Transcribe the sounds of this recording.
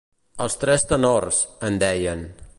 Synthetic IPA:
əlˠst̪ɾɛst̪ənorzənd̪ɛjən

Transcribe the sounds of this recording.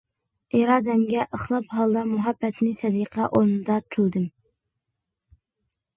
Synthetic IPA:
ʔeɾɑːd̪ɛmɡʲɛʔəχlˠɑpɦɑlˠd̪ɑmuɦɑbːɛt̪nɪsɛd̪iqʰɛʔoɾnɨd̪ɑkʰɪlˠd̪ɨm

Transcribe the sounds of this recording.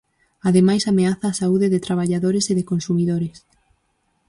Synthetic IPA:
aðemajsameaθaːsauðɪðɪt̪ɾaβ̞aʎaðoɾeseðekonsumiðoɾes

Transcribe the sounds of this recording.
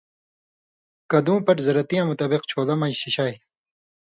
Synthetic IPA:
kɐd̪ũːpɐɾzɐɾɐt̪ijãːmut̪aːbiqt͡ɕʰoːlɐmɐ̃jɕiɕaj

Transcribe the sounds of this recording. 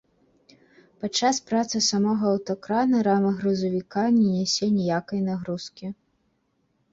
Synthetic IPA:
pat͡ʂːaspɾat̪sɨsamɔɣɐːwt̪ɔkɾanɐɾamɐɣɾuzɐvʲikanʲɛnʲɛsʲɛnʲɛjakɐjnaɣɾuskʲi

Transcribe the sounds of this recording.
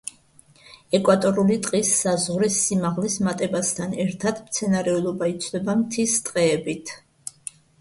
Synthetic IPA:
ɛkʼwat̪ʼɔɾulit̪ʼqʼisːazʁɾisːimaʁlismat̪ʼɛbast̪ʰanɛɾt̪ʰad̪̥mt̪sʰɛnaɾɛulˠɔbait̪sʰd̪ɛbamt̪ʰist̪ʼqʼɛːbit̪ʰ

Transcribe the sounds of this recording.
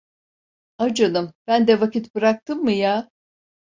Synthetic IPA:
ad͡ʒanɯmb̥ænd̪ɛvakʰit̪bɯɾak̚t̪ɯmːɯjaː

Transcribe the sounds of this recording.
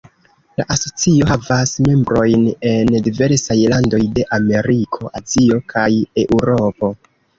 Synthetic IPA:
la̰ʔaso̞t͡sio̞ɦavasme̞mbɾo̞jne̞ndive̞ɾsajlando̞jde̞ʔame̞ɾikʰo̞ʔazio̞kʰaje̞ʔuɾo̞po̞

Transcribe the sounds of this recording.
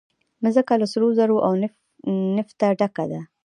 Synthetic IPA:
məzəkalasɾozaɾoʔawn | nɪft̪aɖakad̪a

